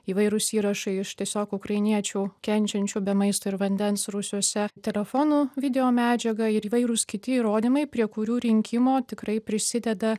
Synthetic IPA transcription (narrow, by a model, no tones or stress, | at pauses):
iːʋɐɪɾʊsiːɾɐʃɐɪɪʃt̪ʲiɛsʲoːkʊkɾɐɪnʲiɛt͡ʃʲuːkʲɛnʲt͡ʃʲɛnʲt͡ʃʲuːbʲɛmɐɪst̪oːɪɾʋɐnʲd̪ʲɛnsɾʊsʲuɔsʲɛt̪ʲɛlʲɛfonuːʋʲɪd̪ʲɛoːmʲæːd͡ʒʲɛɡɐɪɾiːʋɐɪɾʊskʲɪt̪ʲɪiːɾoːd̪ʲimɐɪpʲɾʲiɛkʊɾʲuːɾʲɪŋʲkʲɪmoːt̪ʲɪkɾɐɪpʲɾʲɪsʲɪd̪ʲɛd̪ɐ